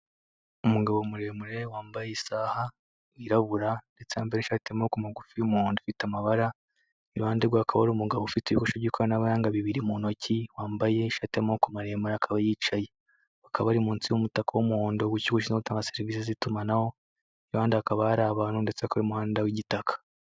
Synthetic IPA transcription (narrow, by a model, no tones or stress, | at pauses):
umuɡaβomuɾe̞muɾe̞waːmbajeisaːha | iɾaβuɾande̞t͡seambeɾeʃatemaokumaɡufiumuoːndofitamaβaɾa | iɾuhaːndeɡwakʰaβaɾumuɡaβofitiβikoʃoɟikaanaβajaːŋɡaβiβiɾimuno̞ciwaːmbaje̞iʃatamaokumaɾe̞muɾakʰaβajiːt͡ʃaje̞ | akʰaβaɾimuːnt͡siwomutakawomuhoːndoɡuciɡoʃ̬inzoutaːŋɡase̞ɾiviːs̬ezitumanaho̞ | βaːndiakaβaaɾaβanundet͡seakaaɾimuhaːndawiɟitakʰḁ